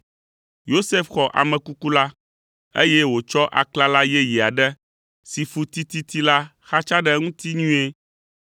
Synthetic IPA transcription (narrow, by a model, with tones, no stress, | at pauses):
jo˦se˦fxɔ˨ʔa̰˨mɛ̃˨ku˦ku˦la˦ | ḛ˦jɛ˦wo˨t͡ʃɔ˦ʔa̰˨kla˦la˦jɛ˦ji˨a˨ɖɛ˦ | si˨fu˦t̪i˦t̪i˦t̪i˦la˦ | xa˦t͡ʃa˦ɖɛ˦ŋũ˦t̪i˦ɲũ˦e˦